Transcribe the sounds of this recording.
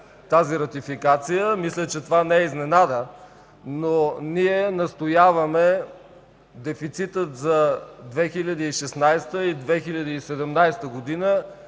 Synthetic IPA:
t̪aziɾɐt̪ifikat̪sijəmislʲət͡ʃɛt̪ovanɛɛiznɛnad̪ə | noniɛnɐst̪ojavɐmɛ | d̪ɛfit̪sit̪ət̪zɐd̪vɛxilʲɐd̪iiʃɛsnajst̪əid̪vɛxilʲɐd̪iisɛd̪ɛmnajst̪əɡod̪inə

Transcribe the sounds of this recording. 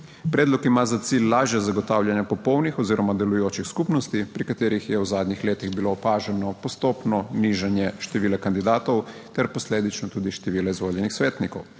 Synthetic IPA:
pɾɛːd̪lɔkimazat̪silːaːʒjazaɡɔt̪aːwljanjapɔpɔwnixɔziːɾɔmad̪ɛlujoːt͡ʃixskuːpnɔst̪ipɾikat̪eːɾixjɛwzaːd̪ɲixleːt̪iɣbilopaːʒɛnɔpɔst̪oːpnɔniʒanjɛʃt̪ɛʋiːlɛkand̪id̪aːt̪owt̪ɛɾpɔsleːd̪it͡ʃnɔt̪uːd̪iʃt̪ɛʋiːlɛizʋoːljɛnixsʋeːt̪nikɔ̰w

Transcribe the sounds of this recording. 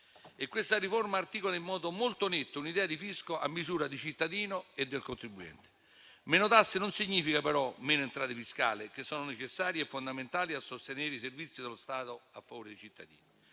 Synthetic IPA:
ekwest̪ariformaːrt̪ikolaimːɔːd̪omolt̪onet̪ːounid̪ɛːad̪ifiskoa̰mːizuːɾad̪it͡ʃit̪ːad̪iːnoed̪ːelkont̪ɾibːuɛ̰nt̪e̥ | menot̪asːɪnʊnsiɲːiːfikapeɾɔmeːnoent̪ɾaːt̪efiska̰ːlɪk̟esːɔːnonet͡ʃesːaːɾjɛfːond̪ament̪aːliasːost̪eneːɾiservit̪sːid̪elost̪aːt̪oafːavoːɾɪd̪et͡ʃit̪ːa̰d̪ḭːni

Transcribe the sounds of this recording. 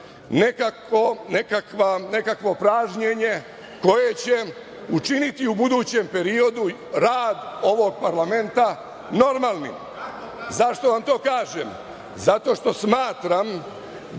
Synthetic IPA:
nekakonekakʋane̞kakʋo̞pɾaːʒɲeɲe̞ | ko̞je̞t͡ɕe̞ | ut͡ʃinit̪iubud̪uːt͡ɕempe̞ɾio̞d̪u | ɾaːd̪o̞ʋo̞ɡ̚paɾlame̞nt̪a | no̞ɾmaːlˠnim | zaʃt̪oʋamt̪o̞ːkaːʒem | zat̪o̞ːʃt̪o̞smaːt̪ɾam

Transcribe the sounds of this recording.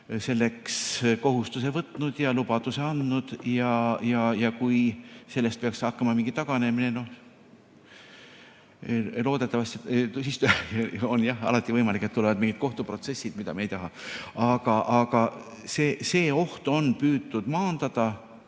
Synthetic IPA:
se̞lːe̞ksko̞ɦust̪use̞vɤt̪ːˑnud̪̥jɑlubɑd̪use̞ɑnd̪nud̪̥jɑjɑjɑkujse̞lːe̞st̪̚peɑksɑkːɑmɑmiŋɡit̪ɑɡ̥ɑne̞mineno̞h | lo̞ːd̪̥e̞t̪ːˑɑvɑst̪et̪usist̪uonjɑhɑ̰lɑt̪ʲːˑivɤjmɑlikːˑet̪ːule̞vɑd̪miŋɡ̥it̪̚ko̞ht̪upro̞t̪se̞sːid̪mid̪ɑ̰meejt̪ɑɦɑɑɡ̥ɑʔɑɡ̥ɑ | seːse̞ːo̞ht̪o̞npyːd̪ːud̪̥mɑːnd̪̥ɑd̪̥ɑ

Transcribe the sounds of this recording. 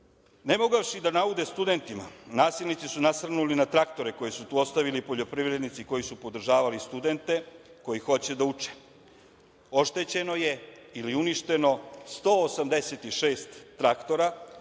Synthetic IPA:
ne̞mo̞ɡaʋʃid̪anaud̪e̞st̪ud̪e̞nt̪imanaːsilˠnit̪sisunasɾnulinat̪ɾakt̪o̞ɾe̞ko̞jesut̪uːo̞st̪aʋilipo̞ʎo̞pɾiʋɾed̪nit̪siko̞jisupo̞d̪r̩ʒaːʋalist̪ud̪e̞nt̪e̞ko̞jixo̞t͡ɕe̞d̪aut͡ʃe̥ | o̞ʃt̪e̞t͡ɕe̞no̞je̞iliuniʃt̪e̞no̞st̪o̞ːsamd̪e̞set̪iʃeːst̪ːɾakt̪o̞ɾa

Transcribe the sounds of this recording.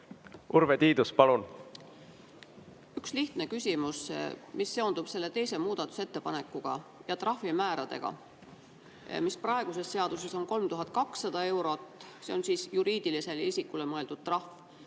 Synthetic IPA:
uɾvet̪iːd̪uspɑlun | yksliht̪ne̞kysʲimusmisːe̞o̞nd̪ub̥se̞lːe̞t̪e̞jse̞muːd̪̥ɑt̪ːˑu̥se̞t̪ːe̞pɑne̞kːˑuɡ̥ɑ̰jɑt̪rɑhfimæːɾɑd̪̥e̞̰ɡ̥ɑ̰ | misprɑe̞ɡ̥use̞sse̞ɑd̪̥use̞so̞nko̞lmt̪uɦɑt̪̚ˑkɑksːɑd̪̥ɑe̞wɾo̞t̪ːˑse̞o̞nsiːsjuɾiːd̪̥ilise̞lisʲikːule̞mɤe̞ld̪̥ud̪̥̚t̪ːrɑhf

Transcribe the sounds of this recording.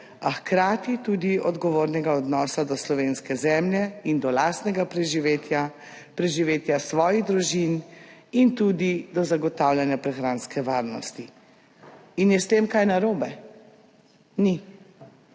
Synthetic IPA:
axkɾaːt̪it̪ud̪iɔd̪ɡɔʋoːɾnɛɡaɔd̪nɔːsad̪ɔslɔʋeːnskɛzɛmljɛind̪ɔlaːst̪nɛɡapɾɛʒiʋet̪a | pɾɛʒiʋeːt̪jasʋɔːjiɣd̪ɾuʒinint̪uːd̪id̪ɔzaɡɔt̪awljanjapɾɛxɾaːnskɛʋaːɾnɔst̪i | injɛst̪eːmkajnaɾoːbɛ | ni

